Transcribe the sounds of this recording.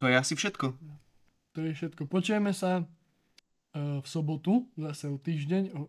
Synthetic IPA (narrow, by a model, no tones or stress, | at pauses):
ɔjɛasifʃɛt̪kɔ | t̪ɔjɛfʃɛt̪kɔpɔt͡ʃɛmɛsa | fsɔbɔt̪uzasɛɔt̪iːʒɟɛɲɔ